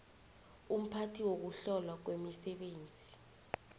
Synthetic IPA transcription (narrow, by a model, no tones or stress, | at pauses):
um̩pʰatʰiwok̬uɬɔlwak̬wemisɛɓeːnd͡zʱi